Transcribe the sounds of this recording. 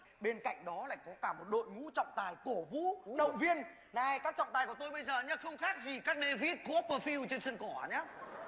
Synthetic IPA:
ɓe˧nka̰˧˨jŋ̟ɗɔ˨˦la̰ː˧˨jkɔ˨˦kaː˧˩mo˨˩t̚ɗo̰˧˨jŋṵ˧˥t͡ɕɔ̰˧˨wŋ͡mt̪aː˨˩jku˧˩əvṵ˧˥ɗə̰˧˨wŋ͡mvi˧ən | naː˧˩jkaː˦˥k̚t͡ɕɔ̰˧˨ŋ͡mt̪aː˨˩jku˧˩t̪o˧jɓə˧jzəː˨˩ɲa˨˦xə˧wŋ͡mxaː˦˥k̚zi˨˩kaː˦˥k̚ɗe˧vi˦˥t̚ko˦˥pːəː˧fi˧wt͡ɕe˧nsə˧nkɔ˧˩˨ɲa˨˦

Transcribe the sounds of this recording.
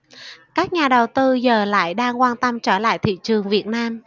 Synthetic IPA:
kaː˦˥k̚ɲaː˨˩ɗə˨˩wt̪ɨ˧zəː˨˩la̰ː˧˨jɗaː˧ŋkwaː˧nt̪ə˧mt͡ɕəː˧˩la̰ː˧˨jt̪ʰḭ˧˨t͡ɕɨ˨˩əŋvi˨˩ət̚naː˧m

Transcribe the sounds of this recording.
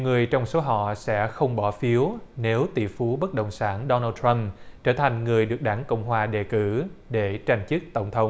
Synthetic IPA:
ɲi˨wŋɨ˨˩əjt͡ɕɔ˧wŋ͡mso˨˦ɦɔ̰˧˨sɛ̰˧˥xə˧wŋ͡mɓɔ˧˩fi˨˦əwne˨˦wt̪ḭ˧˨˩fu˨˦ɓə˦˥t̚ɗə̰˨wŋ͡msaː˧˩nɗɔ˧naː˧t̪ʰɾə˧mt͡ɕəː˧˩t̪ʰa˨˩jŋ̟ŋɨ˨˩əjɗɨ˨˩ək̚ɗaː˧˩ŋkə̰˧˨wŋ͡mɦwaː˨˩ɗe˨˩kɨ˧˩ɗe˧˩t͡ɕa˨˩jŋ̟t͡ɕɨ˦˥k̚t̪ə˧˩wŋ͡mt̪ʰə˨˦wŋ͡m

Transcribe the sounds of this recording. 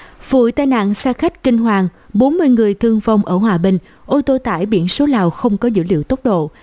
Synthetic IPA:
v̥ṵ˧˨jt̪aː˧jna̰ː˧˨ŋsaː˧xa˦˥jk̟̚kï˧ŋ̟ɦwaː˨˩ŋ | ɓo˨˦nmɨ˧əjŋɨ˨˩əjt̪ʰɨ˧əŋva˧wŋ͡mʔəː˧˩hwaː˨˩ɓï˨˩ŋ̟ | ʔo˧t̪o˧t̪a̰ː˧˩˨jɓḭ˧˥ənso˨˦laː˨˩wxə˧wŋ͡mkɔ˨˦zɨ̰˧˥lḭ˧˨wt̪ə˦˥k͡p̚ɗo̰˧˨

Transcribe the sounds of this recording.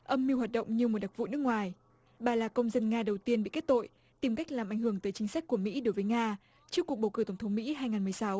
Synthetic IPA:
ʔə˧mːi˧whwaː˨˩t̚ɗə̰˧˨wŋ͡mɲɨ˧mo˨˩ɗa˨˩k̚vṵ˧˨nɨ˦˥əkŋwaː˨˩j | ɓaː˨˩laː˨˩kə˧wŋ͡mzə˧nŋaː˧ɗə˨˩wt̪i˧ənɓḭ˧˨ke˦˥t̚t̪o̰˧˨j | t̪i˨˩mka˦˥k̟̚laː˨˩mʔa˧˩jŋ̟ɦɨ˧˩əŋt̪əː˨˦jt͡ɕï˨˦ŋ̟sa˦˥k̚ku˧˩əmḭ˧˥ɗo˨˦jvəː˨˦jŋaː˧ | t͡ɕɨ˦˥əkːək̚ɓə˨˩wkɨ˧˩t̪ə˧˩ŋ͡mt̪ʰŋ͡mmḭ˧˥ɦaː˧jŋaː˨˩nm˨˩əjsa˨˦w

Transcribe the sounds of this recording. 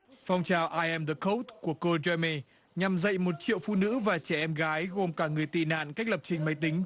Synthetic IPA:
fɔ˧wŋ͡mt͡ɕaː˨˩wʔaː˧jʔɛ˧md̪ə˨˩ko˦˥wt̚ku˧˩əko˧zwɛ˧me˧ | ɲa˨˩mzə̰˧˨jmo˨˩t̚t͡ɕḭ˧əwfṵ˧˨nɨ̰˧˥vaː˨˩t͡ɕɛ˧˩ʔɛ˧mɣaː˨˦jɣo˨˩mkaː˧˩ŋɨ˨˩əjt̪ḭ˧˨na̰ː˧˨nka˦˥k̚lə˨˩p̚t͡ɕï˧˩ŋ̟ma˨˦jt̪ï˨˦ŋ̟

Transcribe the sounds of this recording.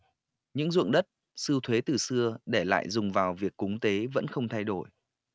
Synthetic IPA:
ɲɨ̰˧˥ŋzṵ˧˨əŋɗə˦˥t̚ | sɨ˧wt̪ʰwe˨˦t̪ɨ˨˩sɨ˧əɗe˧˩la̰ː˧˨jzʊ˨˩ŋ͡mvaː˨˩wvi˨˩əkːʊ˨˦ŋ͡mt̪e˨˦və̰˧˥nxə˧wŋ͡mt̪ʰa˧jɗo˧˩j

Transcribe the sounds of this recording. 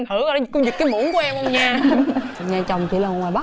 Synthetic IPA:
mt̪ɨ˧˩˦a˧˦ɗa˨˦˨ku˧˦ɲɨ˨˩k̚ka˨˦mu˧˦ənŋkʔɛ˧mʔɔ˧wŋ͡mɲaː˨˩ | ɲaː˨˩t͡ɕɔ˨˩wŋ͡mt͡ɕḭ˧˥laː˨˩˨ŋwaː˨˩jɓa˦˥

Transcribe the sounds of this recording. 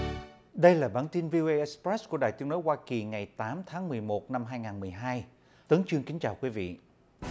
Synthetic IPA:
ɗə˧jlaː˨˩ɓaː˧˩nt̪i˧nvi˧o˧ʔe˧ʔɛ˦˥kspɹɛ˦˥sku˧˩əɗa̰ː˧˨jt̪i˨˦no˨˦jwaː˧ki˨˩ŋa˨˩jt̪aː˨˦mt̪ʰaː˨˦ŋmɨ˨˩əjmo˨˩t̚na˧mɦaː˧jŋaː˨˩nmɨ˨˩əjɦaː˧j | t̪ɨ˨˦ŋt͡ɕwɨ˧əŋkï˨˦ŋ̟t͡ɕaː˨˩wkwi˨˦vḭ˧˨

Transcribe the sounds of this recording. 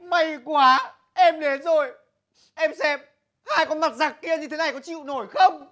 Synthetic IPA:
ma˧˩jkwaː˨˦ | ʔɛ˧mɗe˨˦nzo˨˩j | ʔɛ˧msɛ˧m̚ | haː˧jkɔ˨˦nma˨˩t̚zaː˨˩k̚ki˧ənɲɨ˧t̪ʰe˨˦na˨˩jkɔ˨˦t͡ɕḭ˧˨wno˧˩jxə˧wŋ͡m

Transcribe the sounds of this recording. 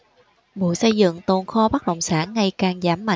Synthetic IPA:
ɓṵ˧˨sə˧jzɨ̰˧˨ŋt̪o˨˩nxɔ˧ɓa˦˥k̚ɗə̰˧˨wŋ͡msaː˧˥nːa˧˩jkaː˨˩ŋzaː˨˦mːa̰˧˨

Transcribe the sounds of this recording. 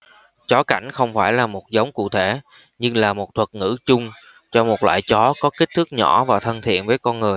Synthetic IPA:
t͡ɕɔ˨˦ka˧˩jŋ̟xə˧wŋ͡mfaː˧˩jlaː˨˩mo˨˩t̚zə˨˦wŋ͡mkṵ˧˨t̪ʰe˧˩ | ɲɨ˧ŋlaː˨˩mo˨˩t̚t̪ʰwə˨˩t̚ŋɨ̰˧˥t͡ɕʊ˧ŋ͡m | t͡ɕɔ˧mo˨˩t̚lwa̰ː˧˨jt͡ɕɔ˨˦kɔ˨˦ki˦˥k̚t̪ʰɨ˦˥k̚ɲɔ̰˧˩vaː˨˩t̪ʰə˧nt̪ʰḭ˧˨ənvəː˨˦jkɔ˧nŋɨ˨˩əj

